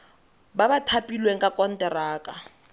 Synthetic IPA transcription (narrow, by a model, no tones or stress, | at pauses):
babatʰapʼilweŋ̩kʼakʼɔn̩tʼɛraːkʼa